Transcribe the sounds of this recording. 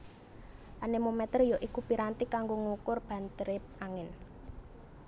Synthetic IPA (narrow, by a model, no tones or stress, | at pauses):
ʔanemomɛt̪ərjoʔikupiɾant̪ikaŋɡoŋukʊrb̥a̤nt̪əɾɪp̚aŋɪn